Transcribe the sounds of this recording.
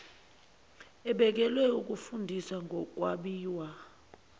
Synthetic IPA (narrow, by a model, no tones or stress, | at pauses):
ɛɓɛk̬ɛlwɛuk̬ʼufundʱiswaŋɡʱɔk̬ʼwaɓiːwa